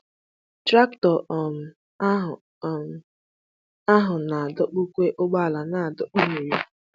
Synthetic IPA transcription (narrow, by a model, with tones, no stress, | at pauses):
tɾa˦ktɔ˨ʔɔ˨m̩˨˦˨ | a˦ɦʊ˨na˨a˨dɔ˦k͡pu˦kʷe˦ʔʊ˦ɡ͡ba˦a˨la˨na˨a˨dɔ˦k͡pu˦me˨ɾi˦